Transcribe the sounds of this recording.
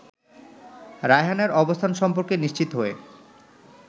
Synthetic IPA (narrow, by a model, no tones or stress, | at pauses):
ɾajɦaneɾɔbost̪ʰanʃɔmpoɾkeniʃt͡ɕit̪oɦoe